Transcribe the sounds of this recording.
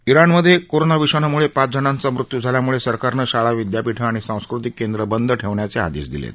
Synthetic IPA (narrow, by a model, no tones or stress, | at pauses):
iɾanməd̪ʱːjekoɾonaʋiɕanamuɭepat͡sd͡zənant͡samɾut̪ːjud͡zʱaljamuɭesəɾkaɾnəɕaɭaʋid̪japiʈʰəaɽ̃isãw̃skɾut̪ikːend̪ɾəbənd̪ʱəʈʰeʋɳjat͡sea̰d̪ḛɕd̪ḭlḛt̪